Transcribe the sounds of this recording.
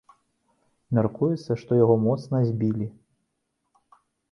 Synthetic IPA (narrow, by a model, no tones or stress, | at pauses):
mʲarkujɛt̪sːɐʂt̪ɔjaɣɔmɔt̪snɐzʲbʲilʲi